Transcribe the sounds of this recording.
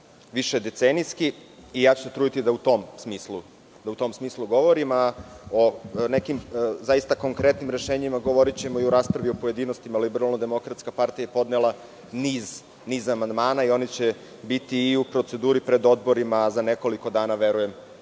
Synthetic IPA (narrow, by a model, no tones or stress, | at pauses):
ʋiʃed̪e̞t̪senijskiːjaːt͡ɕu̥set̪ɾuːd̪it̪id̪aut̪o̞msmiːslˠu | d̪aut̪o̞msmiːslˠuɡo̞ʋo̞ɾimaone̞kimzajist̪ako̞ŋkɾe̞t̪nimɾe̞ʃeːɲimaɡo̞ʋo̞ɾit͡ɕe̞mo̞iuɾaːspɾaʋio̞poje̞d̪iːno̞st̪imalibeɾalˠnod̪e̞mo̞kɾat̪skapaɾt̪ijajepo̞d̪nelˠa | niːz | niːzamand̪maːnaio̞nit͡ɕe̞ | bit̪iːupɾo̞t̪se̞d̪uːɾipɾe̞d̪o̞d̪̚bo̞ɾimazane̞ko̞liko̞d̪aːnaʋe̞ɾuje̞m